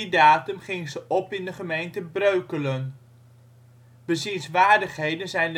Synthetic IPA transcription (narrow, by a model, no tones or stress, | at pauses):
daːtəmχɪŋzəʔɔpɪndəχəmejntəbrøɥkələn | b̥əzinsʋaːɹdəχɦejdənzɛjnd